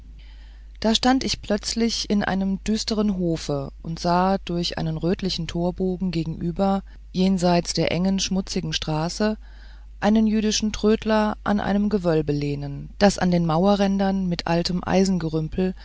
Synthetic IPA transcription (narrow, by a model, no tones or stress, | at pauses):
d̥aːʃtantɪçpl̥œt͡slɪçɪnʔa̰ɪnəmd̥yːstəʁ̞ənɦoːfəʔʊntz̥aːd̥ʊɐçʔa̰ɪnənʁøːtlɪçn̩tʰoːɐboːɡŋ̩ɡeːɡŋ̩ʔyːbɐ | jeːnzaɪt͡sd̥eːɐʔɛŋənʃmʊt͡sɪɡŋ̩ʃtʁ̥aːsə | ʔaɪnənjyːdɪʃn̩tʁ̥øːtʰlɐʔa̰nʔa̰ɪnəmɡəvœlbəleːnənd̥asa̰ndeːnmaʊɐʁɛndɐnmɪtʔa̰ltʰəmʔa̰ɪzn̩ɡəʁʏmpʰl̩